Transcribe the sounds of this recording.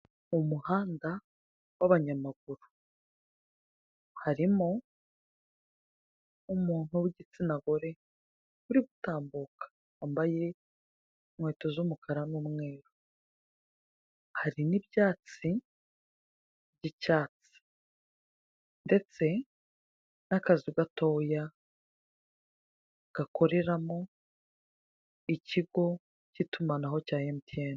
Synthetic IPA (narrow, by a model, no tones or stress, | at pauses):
umuhaːnda | waβaɲamaɡuɾu | haɾimo | umuːn̥huwiɟit͡sinaɡo̞ɾe̞ | βuɾiβutaːmbukḁ | ambaje̞ | mwe̞ːtozumukʰaɾanuːmŋwe̞ːɾo | haɾinibjaːt͡si | bɟicaːt͡si̥ | nde̞t͡se̞ | nakaziɡato̞ːja | ɡ̥ako̞ɾe̞ɾamo | iciɡo̞ | citumanaɦo̞caːjemutʰeːna